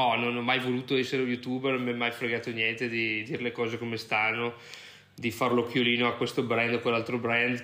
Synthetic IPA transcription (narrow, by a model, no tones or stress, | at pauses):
nɔnonɔmajvoluːt̪oɛsːeɾeujut̪uːbnommɛmːajfɾeɡaːt̪onjɛnt̪ed̪id̪iːɾelekɔːzekomest̪anːo | d̪ifarlokjoliːnoakwest̪obɾɛnd̪okwelːalt̪ɾobɾɛnd̪